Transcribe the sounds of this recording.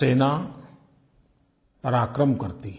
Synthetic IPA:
eːna | pəɾaːkɾəmkəɾt̪iː

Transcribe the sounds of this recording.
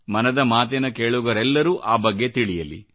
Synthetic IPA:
mɐnɐd̪ɐmaːt̪̬ɛnɐkeːɭuɡɐɾɛlːɐɾuːʔaːbɐɡːe̞t̪iɭijɐlḭ

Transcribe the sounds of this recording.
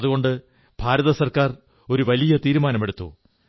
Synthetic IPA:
ðuɣo̞ɳɖɨ | b̥ʱaːɾɐðɐsɐrkaːr | o̞ɾuʋɐlijɐt̪iːɾumaːnɐme̞ɽut̪ːṵ

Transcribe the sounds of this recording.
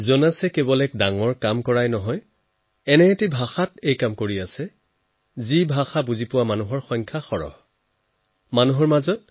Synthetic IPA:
zɔnasɛkebɔlɛk̚daŋɔɹkamkɔɹajnɔɦɔj | ɛnɛːtibʱaxatejkamkoɹiasɛ | zibʱaxabuzipʊwamanuɦɔɹxɔjŋkʰaxɔɹɔ̰h | manuɦɔɹmazɔt̚

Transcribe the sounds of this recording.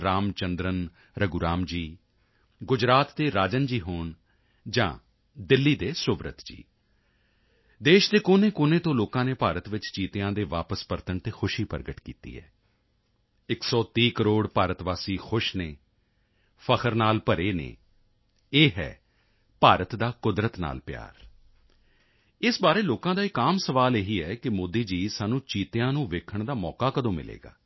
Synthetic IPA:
ɾaːmt͡ʃənd̪ɾən | ɾəɡuɾaːmd͡ʒiː | ɡʊd͡ʒɾaːt̪ːeːɾaːd͡ʒənd͡ʒiːɦoːɳ | d͡ʒã̰ː | d̪ɪlːiːd̪eːsʊʋɾə̰t̪d͡ʒḭː | d̪eːʃd̪eːkoːnẽːkʊːnẽːt̪õːloːkãːneːpaːɾət̪ʋɪt͡ʃt͡ʃiːt̪ejãːd̪eːʋaːpəspəɾt̪əɳt̪eːxʰʊʃiːpə̰ɾɡəʈkḭːt̪ḭːɦɛ̰ː | ɪksɔːt̪iːkəɾoːɽpaːɾət̪ʋaːsiːxʰʊʃneː | pʰəkʰəɾnaːlpəɾeːnḛː | eːɦɛ̰ː | paːɾət̪d̪aːkʊd̪ɾət̪na̰ːlpja̰ːɾ | ɪsbaːɾeːloːkãːd̪aːɪkaːmsəʋaːleːɦiːɛːkɪmoːd̪iːd͡ʒiːsaːnũːt͡ʃiːt̪ejãːnũːʋeːkʰəɳd̪aːmɔːkaːkəd̪õːmɪ̰lḛːɡa̰ː

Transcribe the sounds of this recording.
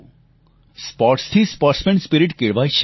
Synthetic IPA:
spɔːɾʈst̪ʰispɔːɾʈsmẽɳʈspiɾɪʈkeɭbajʃ

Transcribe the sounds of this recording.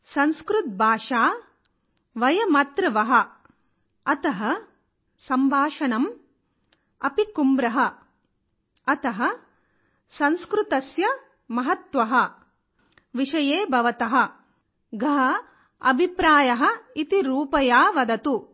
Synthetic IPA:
sɐnskɾut̪̚bʱaːʂaː | ʋɐjɐmɐt̪ɾɐʋɐɦɐ̆ | ɐt̪ɐɦɐ | sɐmbʱaːʂɐnɐm | ɐpikumbɾɐɦɐ | ɐt̪ɐɦɐ | sɐnskɾut̪ɐsjɐ | mɐɦɐt̪ʋɐɦɐ̆ | ʋiʂɐjeːbʱɐʋɐt̪ɐɦɐ̆ | ɡʱɐɦɐ | ɐbʱipɾaːjɐɦɐ̆it̪iɾuːpɐjaːʋɐd̪ɐt̪u

